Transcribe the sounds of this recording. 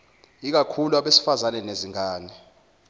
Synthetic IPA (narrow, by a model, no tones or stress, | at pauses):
ik̬akʰuluaɓesi̥fazanɛneziŋaːnɛ